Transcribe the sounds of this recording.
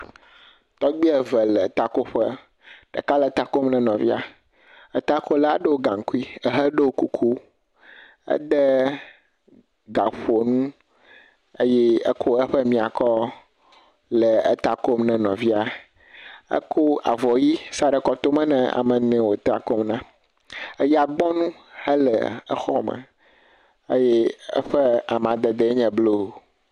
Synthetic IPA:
t̪ɔ˦ɡ͡bi˦ɛ˨vɛ˨lɛ˨t̪a˦ko˦ɸə˦ | ɖ̥ɛ̰˨ka˦lɛ˨˦t̪a˦ko˦mnɛ̃˦nɔ̃˨vi˦a˨ | ɛ˦t̪a˦ko˦la˦ɖə˦wo˦ɡã˨ŋ˨ku˦i˦ɛ˦ɦə˦ɖe˦wo˦ku˨kʰu˦ | ə̰˦d̪ɛ˦ | ɡa˨ɸo˨nũ˦ | e˦jɛ˦ə̰˦kʰo˦ɛ˦ɸə˦mĩ˦a˨kɔ˦ | lɛ˨ɛ̰˦t̪a˨ko˦mnɛ̃˨nɔ̃˨vi˦a˨ | ə̰˦ko˦a˨vɔ˨ji˦sa˨ɖɛ˨kɔ˦t̪o˦mɛ̃˦nɛ̰̃˨a̰˨mɛ̃˨nɛ̃˨wo˨t̪a˨ko˦mnã˦ | e˦ja˨ɡ͡bɔ̃˦nũ˦ | hɛ˦lɛ̰˨ɛ̰˦xɔ̰˦mɛ̰̃˨ | ḛ˦jɛ˦ɛ̰˦ɸɛ˦a˨m˨ã˨d̪ɛ˨d̪ɛ˨˦ɲɛ̃˨blo˦˨

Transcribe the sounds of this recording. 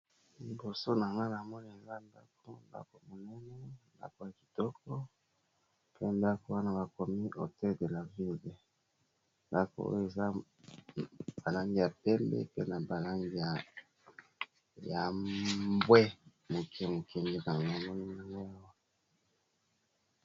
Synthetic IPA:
li˨bo˨so˦na˨ŋɡa˦na˨mɔ˦ni˦a˨ŋɡa˦nda̰˦k̚o˦nda̰˦ko˨mo˨nɛ˦nɛ˦nda̰˦ko˨ja˨ki˨tɔ˦kɔ˦ | pʰe˦nda˦ko˦wa˦na˦ba˨ko˨mi˦ʔo̰˨tɛ˦˨de˨la˨vi˦de˨ | nda˦ko̰˨o̰˦je˨za˦ | ba˨la˦ŋɡi˦ja˨pɛ˦mbɛ̰˦pe˦na˨ba˨la˦ŋɡi˦a˨ | ja˨ | bwɛ˦mo˨kʰɛ˦mo˨kʰɛ˨ŋɡe˦ka˨ŋɡa˦a˨mɔ˦ni˦na˨ŋɡa˦ja˦wa˦

